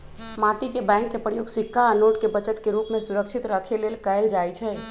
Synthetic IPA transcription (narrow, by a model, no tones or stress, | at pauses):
maʈikebɛ̃ŋkːepɾəjoɡsikʰːaːnoʈkebət͡ʃət̪keɾupmẽsuɾəkʃʰit̪ɾəkʰelelkəeld͡ʒajt͡ʃʰɛ